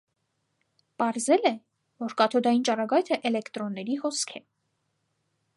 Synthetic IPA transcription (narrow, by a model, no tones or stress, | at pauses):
pɑɾzɛlɛ | vɔɾkɑt̪ʰɔd̪ɑjint͡ʃɑrɑɡɑjt̪ʰəʔɛlɛkt̪ɾɔnːɛɾihɔskʰɛ